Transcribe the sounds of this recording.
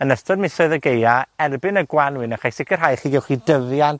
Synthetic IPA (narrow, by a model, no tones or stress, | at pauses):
ənəstɔdmɪsɔɨðəɡejaɛrbɪnəɡwanwɪnəχajsɪkʰər̥ɦajχiːɡɛlˠχidəðjan